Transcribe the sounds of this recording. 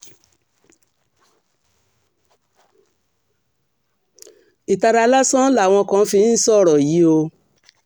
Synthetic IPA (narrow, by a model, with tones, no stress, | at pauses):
i˨ta˧ɾa˧la˦sã˦la˦˨w̃ɔ̃˧kã˧˦fi˧˦sɔ˦˨ɾɔ˨ji˨˦o˧